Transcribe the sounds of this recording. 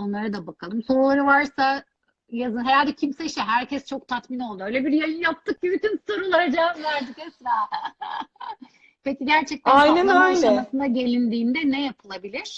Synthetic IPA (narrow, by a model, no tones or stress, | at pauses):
o̞nlˠaɾɯd̪abakʰalˠɯmso̞ɾulˠaɾɯvaɾsa | jazɯnɦeɾalʲd̪ɛcʰimsɛiʃt̪ɛɦæɾcʰɛst͡ʃʰo̞k̚t̪ʰat̪mino̞lˠd̪uø̞jlʲɛbiɾjajɯjap̚t̪ʰːɯk̚bybyt̪ʰynso̞ɾulˠaɾad͡ʒaːzvæɾd̪icɛsɾaː | peciɟæɾt͡ʃʰɛc̚t̪ʰæajnɛnaananasɯnaɟe̞lʲind̪iːnd̪ɛnɛjapʰɯlˠabilʲiɾ̥